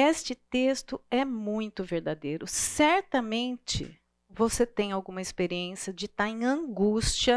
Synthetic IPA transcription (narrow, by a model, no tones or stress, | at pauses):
est͡ʃɪt̪est̪ʊɛmũj̃t̪ʊveɾd̪ad̪ejɾʊsɛɾt̪ɐmẽnt͡ʃɪ̰ | voset̪ẽj̃awɡũmɐɪspeɾiẽsjɐd͡ʒɪt̪aɾẽj̃ɐ̃ɡust͡ʃiɐ